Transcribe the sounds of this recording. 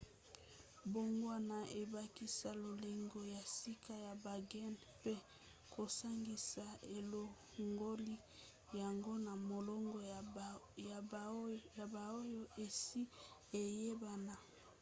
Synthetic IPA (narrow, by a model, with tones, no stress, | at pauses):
bo˨ŋɡwa˦na˨ʔe˨ba˦ki˦sa˦lo˨le˨ŋɡo˦ja˨si˦ka˦ja˨ba˨ɡɛ˦n | pe˦ | kʰo˨sa˦ŋɡi˨sa˨e˨lo˨ | ŋɡo˦li˦ | ja˨ŋɡo˦na˨mo˨lɔ˦ŋɡo˦ | a˨ja˨ba˨o˦jo˦ʔe˨si˦e˨je˦ba˨na˨